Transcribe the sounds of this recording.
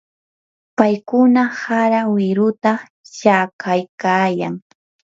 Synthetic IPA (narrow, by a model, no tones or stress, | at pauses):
pajkʊnahaɾawɪɾʊt̪a | t͡ʃakʰajkaːjaŋ